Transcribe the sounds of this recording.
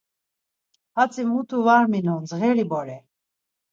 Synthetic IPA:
hat͡sʼimut̪ʰuvaɾminɔnd͡zɣɛlibɔɾɛ

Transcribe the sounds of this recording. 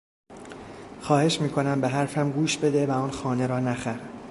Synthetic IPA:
xɒːhe̞ʃmiːkʰo̞næmbeɦæɾfæmɡuːʃbe̞d̪evæɒːnxɒːne̞ɾɒːnæxæɾ

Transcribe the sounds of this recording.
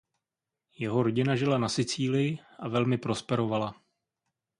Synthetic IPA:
jɛɦo̞ɾo̞ɟɪnaʒɪlanasɪt͡siːlɪjɪʔavɛlmɪpɾo̞spɛɾo̞vala

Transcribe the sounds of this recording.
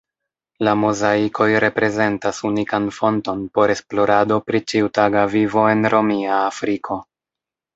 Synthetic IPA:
lamozaikʰo̞jɾe̞pɾe̞ze̞ntasunikanfo̞nto̞npo̞ɾe̞splo̞ɾado̞pɾit͡ʃiutaɡavivo̞e̞nɾo̞miaːfɾikʰo̞

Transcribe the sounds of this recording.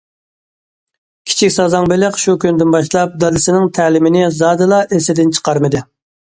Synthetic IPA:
kʲʰi̥t͡ʃʰikʲsɑzɑŋbɪlɪqʃukʲynd̪ɪnbɑʃlˠɑp̚d̪ɑd̪ɨsɪnɪŋt̪ʰæːlɪmɪnɪzɑːd̪ɨlˠɑʔesɪd̪ɪnt͡ʃʰə̥qɑɾmɨd̪ɨ

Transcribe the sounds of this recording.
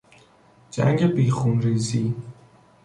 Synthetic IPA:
d͡ʒæ̰ŋɡebiːxunɾiːziː

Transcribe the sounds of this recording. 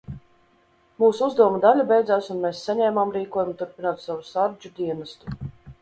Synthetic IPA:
muːsuuzd̪uɔmud̪alʲubʲɛjd̪zaːsunmeːsːaɲɛːmamɾiːkuɔjumut̪uɾpinaɔt̪savusaɾd͡ʒud̪ʲiɛnast̪u̥

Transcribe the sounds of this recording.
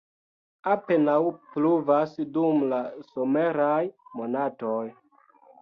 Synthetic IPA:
ape̞nawpluvasdumlasome̞ɾajmo̞nato̞j

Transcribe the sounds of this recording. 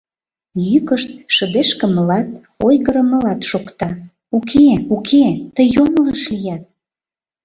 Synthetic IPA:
jykəʃt̪̚ʃə̆d̪eʃkə̆məlɑt̪̚ | ojɣəɾə̆mə̆lɑt̪ʃokt̪ɑ | ukʰeukʰet̪əjomləʃlijɑt̪̚

